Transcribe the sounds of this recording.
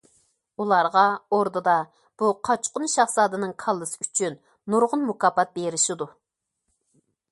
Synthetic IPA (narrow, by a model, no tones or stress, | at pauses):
ulˠɑɾʁɑoɾd̪ɨd̪ɑ | b̥uqʰɑt͡ʃqʊnʃɑχsɑːd̪ɨnɨŋkʰɑlˠːɨsɨ̥yt͡ʃʰynː | uɾʁʊnmukɑːpɑt̪̚beɾɪʃid̪u